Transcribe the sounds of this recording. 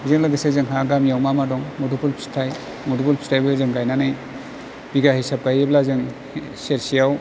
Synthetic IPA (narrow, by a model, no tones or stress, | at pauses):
zɯŋlaɡɯsezɯŋɦaɡamjawmamadɔŋmudupulpʰi̥stʰaj | mudupulpʰi̥stʰajbɯzɯŋɡajnanɯj | b̥iɡahisap̚ɡajeblazɯŋ | seɾsijaw